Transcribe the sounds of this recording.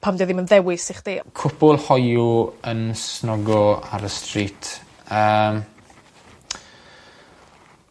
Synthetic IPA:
pʰamdɛðɪmənðɛwɪsɪχd̥iːkʰʊpʊlˠhɔjuənsnɔɡɔa̰ɾəstritʰ | əːm

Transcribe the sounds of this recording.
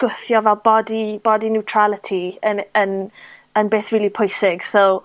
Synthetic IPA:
ɡ̥ʊθjɔvɛlˠbɔdib̥ɔdinɪwtʰr̥alˠətʰiənənənbeːθɹiːlˠipʰʊjsɪɡ̥sow

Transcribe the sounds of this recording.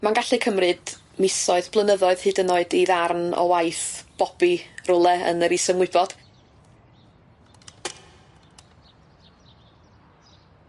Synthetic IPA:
manɡaɬɨkʰəmrɨd | mɪsɔɨðb̥lˠənəðɔɨð̥hɨːdənoɨdiðarnɔ̰wajθb̥ɔb̥irʊlˠɛə̰nəɾisɔmwɪbɔd̥

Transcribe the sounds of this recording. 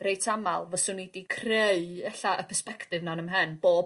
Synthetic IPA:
rejtʰamalˠvɔsʊnidikʰreɨɛɬaʔəpʰɛspɛktɪvnanəmɦənb̥oːb

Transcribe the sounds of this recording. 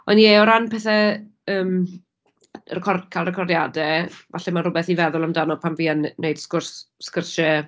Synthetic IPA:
ɔnieɔɾanpʰɛθɛ | əːm | rɛkʰɔrkʰaːlrɛkʰɔrdjadɛvaɬɛmanrʊbɛθivɛðʊlˠamdanɔpʰamviːənːejd̥skʊrsskərʃɛ

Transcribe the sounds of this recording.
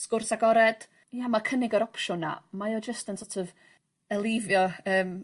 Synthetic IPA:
skʊrsaɡɔɾɛd̥ | jamakʰənɪɡəɾɔpʰʃʊna̰majɔd͡ʒəstənsɔtʰɔv | əlˠɪvjɔəːm

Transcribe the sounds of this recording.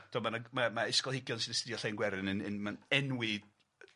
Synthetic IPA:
d̥ɔmanamamaɪskɔlˠhɪɡjɔnsɪnəstɪdjɔɬejnɡwɛɾɨnənənmanɛnwɪ

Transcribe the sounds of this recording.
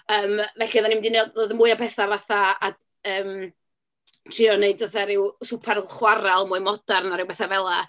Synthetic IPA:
əːmvɛɬiəðanimdineːdðoðəmuːɨabɛθavaθaa | əːm | tʰr̥iɔneɨdəθaɾɪwsʊpʰɛɾlˠχwaɾalˠmʊːɨmɔdarnaɾɨwbɛθavɛlˠa

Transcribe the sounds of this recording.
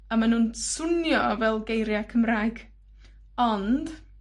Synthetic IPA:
amanuːnsʊnjɔvɛlˠɡejɾjakʰəmraːjɡ̥ | ɔnd̥

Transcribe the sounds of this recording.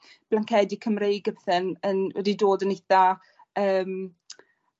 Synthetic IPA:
b̥lankʰɛdikʰəmrejɡəbɛθənənwɛ̰didoːdənejθa | əːm

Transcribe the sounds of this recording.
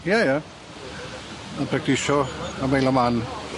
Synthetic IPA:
jaja | apʰɾak̚tʰɪʃɔamejlaman

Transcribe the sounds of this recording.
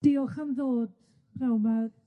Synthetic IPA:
d̥iɔχəmðoːd̥ | pʰrawma

